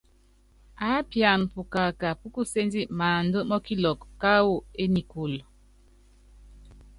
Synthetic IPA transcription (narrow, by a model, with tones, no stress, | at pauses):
a˨˦pja˨npu˨ka˨ka˨pu˦ku˦se˦ndi˦ʔmaː˨n˦də˦mɔ˦ki˦lɔ˨kka˦wo˦e˦ni˨ku˨l